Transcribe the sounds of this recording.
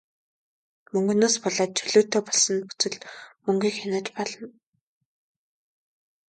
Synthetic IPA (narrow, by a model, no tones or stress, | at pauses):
mɵŋɡɵ̆noːspɔɮaːt̪̚t͡ɕʰɵɮoːt̪ːeːpɔɮsə̆npu̥t͡sɘ̆ɮmɵŋɡʲiːkxanaːt͡ɕpɔɮɞ̆n